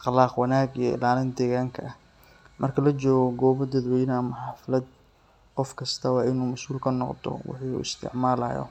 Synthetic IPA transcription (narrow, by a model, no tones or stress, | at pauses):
ɑqlɑːqwɑnaːɡijɔɪ̰laːlɪnd̪ɛːɣaːŋkʰɐʔɐh | mʔɐrkʰɐlɐt͡ʃɔːɣɔɡɔːβɐd̪ɐd̪wɛjnɐmɐħɑːflɐd̪̚ | qɔfkʰɐst̪ʰɐwɑːɪnuːmɐsuːlkʰɐnɔqd̪ʰɔ̰wɪ̰ħiːṵːɪst̪ʰɪ̰ʕmaːla̰ːjɔ̰